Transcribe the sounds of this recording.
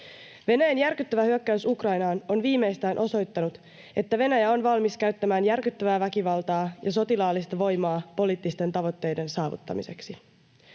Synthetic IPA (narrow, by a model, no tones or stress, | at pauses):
ʋe̞næjænjærkyt̪ːøʋæhyøkːæysukrɑjnɑːno̞nʋiːmːe̞jst̪æːnʔo̞so̞jt̪ːɑnut̪ | e̞t̪ːæʋe̞næjæo̞nʋɑlmiskæɥt̪ːæmæːnjærkyt̪ːøʋæːʋækiʋɑlt̪ɑːjɑso̞t̪ilɑːlːist̪ɑʋo̞jmɑːpo̞liːt̪ːist̪e̞nt̪ɑʋo̞t̪ːe̞jde̞nsɑːʋṵt̪ːɑ̰mise̞ksi